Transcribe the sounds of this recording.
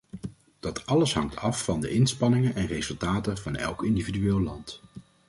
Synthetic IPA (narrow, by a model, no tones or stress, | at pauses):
d̥ɑtɑləsɦɑŋtʰɑfːɑndəʔɪnspɑnɪŋənʔɛnrezɵlˠtaːtəvɑnɛ̰lˠkɪndividyʋɪːlˠlɑnt